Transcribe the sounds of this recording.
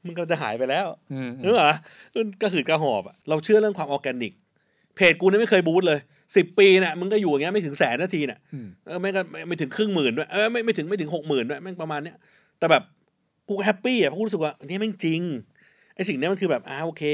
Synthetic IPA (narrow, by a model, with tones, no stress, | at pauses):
mɯ˧ŋkɔ˧˩t͡ɕa˨˩ɦa̰ː˩˦jpa˧jlɛː˦˥˩wɯː˦˥aː˨˦ | ku˧˥˩nkaː˥˩kʰɯː˨˩kaː˧˩ɦɔː˨˩p̚a˨˩ɾa˧wt͡ɕʰɯ˥˩ɐɾɯ˥˩əŋkʰwaː˧mʔɔː˧kɛː˧nːi˨˩k̚ | pʰeː˨˩t̪̚kuː˧n˦˥˩ma˥˩jkʰɤː˧jbuː˦˥t̪̚lɤː˧j | si˨˩pːiː˧na˧˩mɯ˧nkɔː˥˩juː˨˩˨ŋi˦˥ma˥˩jt̪ʰɯ˩˦ŋsɛː˨˩˦nːaː˥˩t̪ʰiː˧ni˨˩ʔɤː˧ma˧˥nkɔ˥˩ma˥˩ma˥˩t̪ʰɯ˩˦ŋkʰɾɯ˥˩ŋmɯː˨˩ndu˦˥˩ɐʔːma˥˩jma˥˩jt̪ʰɯ˩˦ŋma˥˩jt̪ɯ˩˦ŋho˨˩k̚mɯː˨˩ndu˦˥˦jma˥˩npa˧maː˧nːi˦˥ɐ | t̪ɛː˨˩bɛː˨˩p̚ | kuː˧kɦɛ˦˥pːiː˥˩a˨˩pʰːsɯ˨˩k̚waː˥˩ʔa˧ni˦˥ma˥˩nt͡ɕi˧ŋ | ʔa˧jsi˨˩ŋni˦˥ma˧kɯː˧bɛː˨˩p̚ʔaː˨˩ʔoː˧kʰeː˧